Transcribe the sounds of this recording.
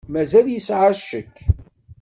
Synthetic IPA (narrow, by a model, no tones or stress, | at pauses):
mæzæljəsʕaʃəkː